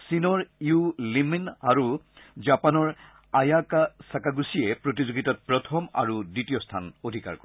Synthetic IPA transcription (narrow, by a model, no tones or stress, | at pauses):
sinɔɹiuliminaɹu | zapanɔɹ | ajakasakaɡusijɛpɹot̬izoɡitɔt̚pɹɔtʰɔma̰ɹuditijɔstʰa̰nodʱika̰ɹkɔɹ